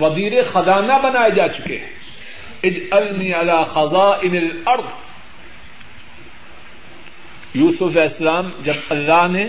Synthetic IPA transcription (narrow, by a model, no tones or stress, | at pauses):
fɐziːɾexɐzaːnabɐnaːed͡ʒaːt͡ʃʊ̥kḛː | ɪd͡ʒɐlniːʕalaːxɐzˤɑːʔɪnɐlɐɾd̪ˤ | juːsʊfɛːslaːmd͡ʒɐbɐlːaːɦnẽ